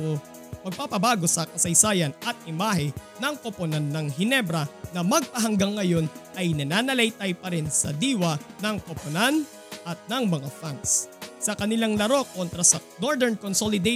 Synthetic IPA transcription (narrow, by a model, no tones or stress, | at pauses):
pɐɡ̚paːpɐbaːɡo̞sɐkɐsɐjsaːjɐnʔɐt̪̚ɪmaːɦɪnɐŋkoponand̪ːɐŋɦɪnɛbɾɐnɐmɐɡ̚pɐɦɐŋɡɐŋːɐjo̞nʔɐjnɐnanɐlɐjt̪ɐjpɐɾɪnsɐ̰d̪iːwɐnɐŋkoponan | ʔɐt̪̚nɐŋmɐŋafaŋkssɐkɐnɪlaŋlɐɾo̞ko̞nt̪ɾɐsɐno̞ɹd̪ɛɹnkonsolɪd̪ɛ